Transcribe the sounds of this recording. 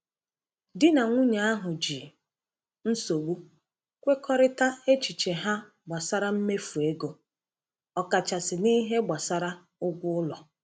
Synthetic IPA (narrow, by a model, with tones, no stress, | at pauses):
dɪ˦na˨ŋʷʊ˦ɲa˨˦a˦ɦʊ˨d͡ʒi˨ | n̩˦so˨ɡ͡bu˦ | kʷe˦kɔ˦ɾɪ˦ta˦e˦t͡ʃi˨t͡ʃe˨ɦa˦ | ɡ͡ba˨sa˦ɾa˦m̩˦me˦fu˨e˦ɡo˨ | ɔ˨ka˨t͡ʃa˨sɪ˨ni˦ɦe˦ɡ͡ba˨sa˦ɾa˦ | ʊ˦ɡʷʊ˦ʊ˦lɔ˨